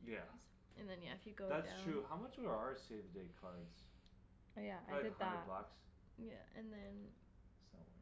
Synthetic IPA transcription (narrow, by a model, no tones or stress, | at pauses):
jæ | ʔɨ̃nðɨ̃njæɨfjɨɡoʊðætstʰɹ̥ʉɦaʊmʌt͡ʃwiɹə˞seɪvdeɪkʰɑɹdz̥ | jæaɪɹaɪɾɪ̃æblɑks | jæ̰ɨ̃nðɨ̃n | sʌ̰̃mwɛ̰